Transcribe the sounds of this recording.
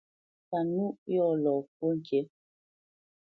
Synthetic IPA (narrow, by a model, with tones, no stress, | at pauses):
ta˨nu˦ʔjɔ˦˨lɔ˨ko˦ŋ˨kje˦